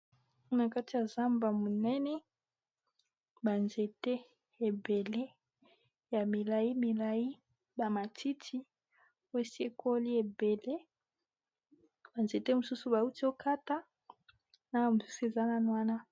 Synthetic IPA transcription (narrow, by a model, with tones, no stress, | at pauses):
na˨ka˦ti˨ja˨za˦mba˨mo˨nɛ˦nɛ˦ | ba˨nze˨te˦ | e˨be˨le˦ | ja˨mi˨la˨ji˦mi˨la˨ji˦ | ba˨ma˨tʰi˦tʰi˦ | we˦si˦e˨ko˦li˦e˨be˨le˦ | b̥a˨nze˨te˦mu˨su˦su˦ba˨u˦ti˦o˦kʰa˦ta˦ | na˦a˨mu˨su̥˦su˦e˨za˦na˦nwa˦na˦